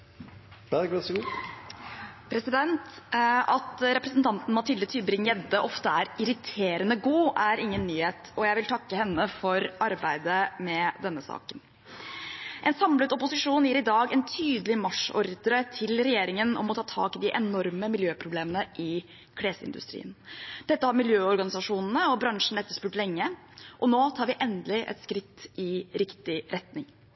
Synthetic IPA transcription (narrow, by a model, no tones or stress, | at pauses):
ɡs | pʰɾɛsɪd̪ɛnt̪ʔɑt̪ɾɛpɾəsnt̪ʰɑnt̪n̩mɑt̪ʰɪlːət̪ʰyːbɾɪŋjɛd̪əʔɔft̪əæɾɪɾɪt̪ʰeːɾənəɡuːæɾɪŋːənːyːheːt̪ɔjæɪʋɪlt̪ʰɑkːəhɛnːəfɔɾɑɾbæɪd̪əmɛd̪ɛnːəsɑ̰ːkən | ʔɛnsɑmlət̪ɔpʊsɪʂuːnjiːɾɪd̪ɑːɡɛnt̪ʰyːd̪əlɪmɑʂɔ̰ɾd̪əɾət̪ʰɪlɾɛjeːɾɪŋənɔ̰mɔt̪ʰɑːt̪ʰɑ̰ːkɪd̪ɪʔɛnɔɾməmɪljøːpʰɾʊbleːmənəʔɪ | kʰɽeːsəɪ̰nd̪ʉ̰st̪ɾḭːənd̪̥ɛt̪ːəhɑɾmɪljøːɔɾɡɑnɪsɑʂuːnn̩əɔbɾɑŋʂɳ̩ɛt̪ːəʂpʉːʈlɛŋːə | ʔɔnoːt̪ʰɑːɾʋɪʔɛnd̪əlɪʔɛ̰t̪skɾɪt̪ːɪɾɪkt̪ɪɾʔɛt̪nɪŋ